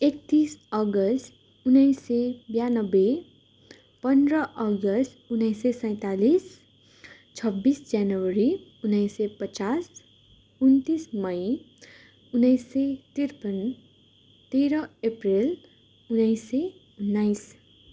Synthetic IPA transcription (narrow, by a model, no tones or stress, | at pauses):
ek̚t̪isʌɡʌst̪ | unʌjsːebjanʌbe | pʌnd̪rʌʔʌɡʌst̪unʌjsesʌ̃j̃t̪alis | t͡sʰʌbːisd͡zjanwʌɾiunʌjsepʌt͡sas | unt̪ismʌj | unʌjsːet̪irpʌn | t̪eɾʌeprel | unʌjse | unːajs